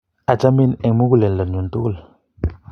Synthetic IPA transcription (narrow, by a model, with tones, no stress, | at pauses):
a˨d͡ʒa˦mi˦˨nɛ˨ŋmu˦ku˦lɛ˨nlə˨ɲu˨ntu˦ku˦˨l